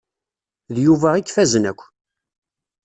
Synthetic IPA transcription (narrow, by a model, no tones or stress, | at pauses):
ðjuvæʁikːfæzənækʷː